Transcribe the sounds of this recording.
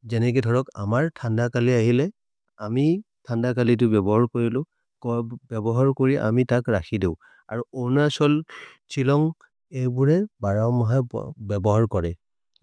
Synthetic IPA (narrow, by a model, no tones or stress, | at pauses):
zɛnɛk̬idʱɔɹɔka̰maɹtʰandakaliaɦilɛ | ami | tʰandakalit̬ʊbɛbɔɦaɹkoɹilʊ̃ | kɔbɛbɔɦaɹkoɹiʔa̰mitakɹakʰideʊ̃ | a̰ɹuɔnasɔl | t͡ʃʰilɔŋ | ejbuɹɛbaɹawmɔɦa̰bɛbɔɦaɹkɔɹɛ